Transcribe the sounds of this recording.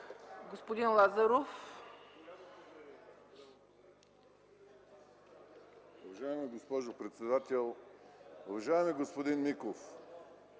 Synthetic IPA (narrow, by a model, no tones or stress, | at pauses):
ɡospod̪inlˠazaɾof | ʊvɐʒaɛmiɡospɔʒopɾɛt̪sɛd̪at̪ɛlˠ | ʊvɐʒaɛmiɡospod̪inmikof